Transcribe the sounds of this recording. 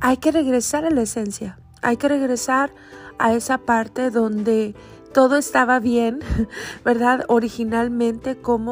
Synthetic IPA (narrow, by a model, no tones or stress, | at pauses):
ajke̞re̞ɣɾe̞saɾalaese̞nsja | a̰jke̞re̞ɣɾe̞saɾ | a̰e̞sapaɾt̪e̞ðo̞nd̪e̞ | t̪o̞ðo̞e̞st̪aβaβje̞nbe̞ɾðaðo̞ɾixinalmẽ̞nt̪e̞ko̞mo